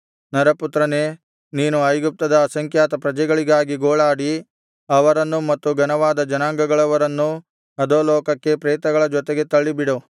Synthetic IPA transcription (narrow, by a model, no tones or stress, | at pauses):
nɐɾɐput̪ɾɐneː | niːnuɐjɡup̚t̪ɐd̪ɐːsɐŋkʰjaːt̪ɐpɾɐd͡ʒɛɡɐɭiɡaːɡiɡoːɭaːɽi | ɐʋɐɾɐnːumɐt̪ːuɡɐnɐʋaːd̪ɐd͡ʒɐnaːŋɡɐɡɐɭɐʋɐɾɐnːu | ɐd̪oːlɔːkɐkːe̞pɾɛːt̪ɐɡɐɭɐd͡ʒɔt̪eɡe̞t̪ɐɭːibiɽo